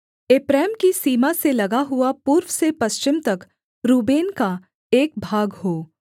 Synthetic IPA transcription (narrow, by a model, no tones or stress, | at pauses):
eːpɾɛːmkisiːmaselɐɡaɦʊapuːɾwsepɐʃt͡ʃɪmt̪ɐk | ɾuːbeːnka | eːk̚bʱaːɡɦoː